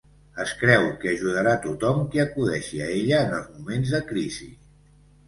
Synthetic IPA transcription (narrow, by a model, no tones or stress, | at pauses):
əskɾɛwkəəʒuðəɾat̪ut̪ɔmkiəkuðɛʃiəeʎəːnəlˠzmumenzðəkɾizḭ